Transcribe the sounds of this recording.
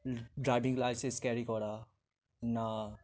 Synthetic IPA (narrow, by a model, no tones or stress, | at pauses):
ɖɾaːɪbɪ̃ŋɡlaɪseskɛːɾikɔːɾa | na